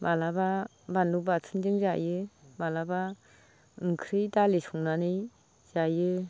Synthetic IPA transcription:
balaba | banlubatʰɯndɯŋzajɯbalaba | ɯŋkʰɾɯjdalesuŋnanɯj | z̥ajɯ

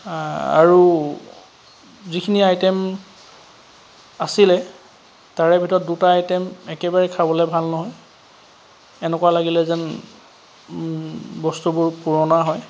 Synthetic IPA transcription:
a̰ɹu | zikʰiniajtɛm | asilɛ | taɹɛbʱitɔɹt̚dutaːjtɛmɛkɛbaɹɛkʰabɔlɛbʱalnɔɦɔj | ɛnɛkwalaɡilɛzɛn | bɔstubʊɹpuɹɔnaɦɔj

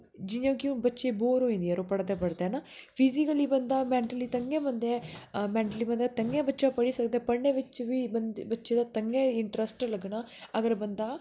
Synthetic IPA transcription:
d͡ʒɪõːkiũbətːʃeːboːɾɦoːĩnd̪iɛɾoːpəɽd̪eːpəɽd̪eːnaːpʰɪzikəliːbənd̪aːmɛ̃ːɳʈəliːt̪əŋɡẽːbənd̪eːmɛ̃ːɳʈəliːbə̃nd̪aːt̪əŋɡeːbətːʃaːpəɽiːsəkd̪eːpəɳẽːʋɪt͡ʃʋiːbənbətːʃeːd̪aːt̪əŋɡẽːɪɳʈɾəsʈləɡnaːəɡəɾbənd̪aː

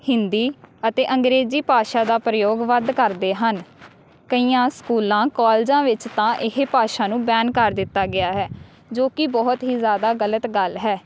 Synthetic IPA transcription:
hɪnd̪iːət̪eːʔəŋɡɾeːziːpaːʃaːd̪aːpɾəjoːɡʋəd̪kəɾd̪eːɦən | kəiːãːskuːlãːkaːld͡ʒãːʋɪt͡ʃt̪ãːʔɪɦepaːʃaːnũːbɛːnkəɾd̪ɪt̪ːaːɡɪaːɦɛː | d͡ʒoːkɪbɔːʊt̪ɦiːzjaːd̪aːɡələt̪ɡəlɦɛː

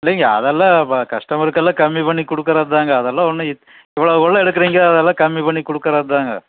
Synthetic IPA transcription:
ɪlːeŋɡɐɐ̰ðɐlːãːkɐʂʈɐmɪɾɯkːɐlːɐ̃kɐmːipɐɳːikɔɽɯkːɐɾɐðɯt̪aːŋɡɐːðɐlːãɔnːɯɪ | ɛʋːɐɭɐkɔɭːɐɛɽɯkːɐɾiːŋɡɐɐːðɐlːãːkɐmːipɐɳːikɔɽɯkːɯɾɐðɯt̪aːŋɡɐ̰

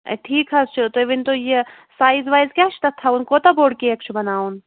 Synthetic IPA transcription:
ʈʰiːkɦɐst͡ʃʰut̪oʋint̪oje | saːjzʋaːjzkʲaːt͡ʃʰt̪ɐt̪ʰːɐunkot̪ɐboːɽkiek̚t͡ʃʰubɐnaːun

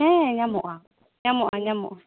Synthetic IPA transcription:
ɛɲamʊʔa | ɲamʊʔaɲamʊ̰ʔa

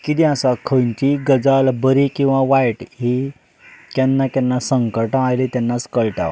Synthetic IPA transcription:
kit̪iasakʰəjnt͡ɕiɡəd͡zalbəɾikĩw̃ʋãʋajʈɦi | kanːakanːasəŋkəɾʈaajlet̪janːat͡skəɭʈa̰

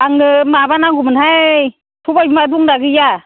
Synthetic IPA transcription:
ʔaŋɯmabanaŋɡumɯnha | tʰubajbimaduŋdakɯja

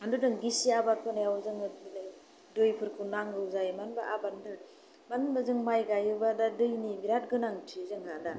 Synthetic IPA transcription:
mandudɯŋɡisiabat̚kʰɯnajawzɯŋ | dojpʰɯɾkʰunaŋɡɯwzajmanbaʔabanda | manbazɯŋmajɡajɯbadadɯjnibiɾat̚ɡɯnaŋtʰizɯŋhada

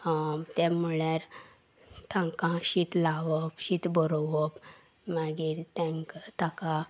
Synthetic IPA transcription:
t̪ɛmuɭaɾ | t̪ʰãŋkãɕit̪laʋɔpɕit̪bɔɾɔʋɔp | maɡiːɾt̪ɛ̃ŋkt̪aka

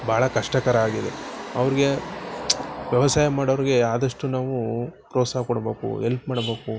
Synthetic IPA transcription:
bʱaːɭɐkɐʂʈɐkɐɾɐaːɡid̪eɐʋɐɾiɡe̞ | ʋjɐʋɐsaːjɐmaːɽɐʋɐɾiɡe̞aːd̪ɐʂʈunaːʋupɾoːsaɦkɔɽɐbe̞ːkṵɦelpmaːɽɐbe̞ːku

